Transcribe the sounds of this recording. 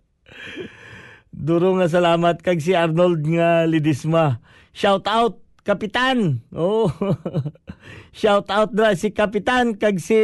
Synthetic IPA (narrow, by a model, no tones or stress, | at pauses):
d̪uːɾoŋas̬ɐlaːmat̪̚kɐɡs̬iaɾnold̪ŋalɪd̪ɪsma | ʃawt̪ʔawt̪̚ | kɐpɪt̪anʔoʔ | ʃawt̪ʔawt̪̚nɾasɪkɐpɪt̪ankaɡsi